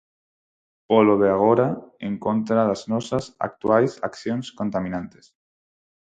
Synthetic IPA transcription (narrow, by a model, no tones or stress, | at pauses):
poloðeaɣ̞oɾaeŋkont̪ɾaðaznosasa̰k̚t̪uajsa̰kθjonskont̪amĩnãnt̪es